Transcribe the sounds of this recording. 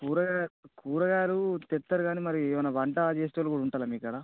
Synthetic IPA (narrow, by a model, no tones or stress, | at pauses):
kuːɾɐɡakuːɾɐɡaːlut̪ɛt̪ːɐɾuɡaːnimɐɾiʋɐnːɐʋɐɳʈɐd͡ʒeːsʈɐɐlukuːɽɐuɳʈaːlɐmiːkɐɽa